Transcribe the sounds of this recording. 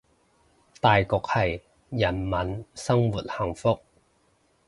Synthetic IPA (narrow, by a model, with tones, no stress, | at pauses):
t̪aː˨jkɔː˧k̚hɐ˨j | jɐ˨˩nmɐ˨˥nsɐ˥ŋwu˨˩t̚hɐ˨˩ŋfʊ˥k̚